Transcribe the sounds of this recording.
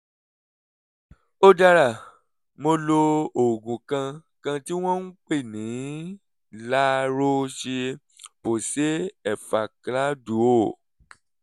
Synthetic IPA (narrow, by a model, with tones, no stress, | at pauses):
o˧da˧ɾa˨ | mo˧lo˧o˨ɡũ˨kã˧ | kã˧ti˦w̃ɔ̃˦n̩˦k͡pe˦˨nĩ˨˦ | la˦˧ɾo˦ʃe˧ | po˨se˦ɛ˨fa˨kla˦du˨˦o˦˨